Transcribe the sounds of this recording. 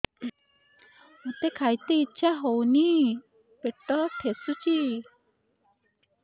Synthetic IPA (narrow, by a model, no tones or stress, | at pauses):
mot̪ekʰajt̪eitːʃʰaɦowni | peʈɔt̪ʰesut͡ʃi